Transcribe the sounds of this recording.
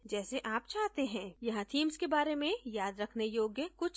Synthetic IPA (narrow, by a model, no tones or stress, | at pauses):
d͡ʒɛːseʔaːp̚t͡ʃaːɦt̪eɦɛ̃ːjɐɦãt̪ʰiːmskebaːɾemẽjaːd̪ɾɐkʰnejoːɡjəkʊt͡ʃʰ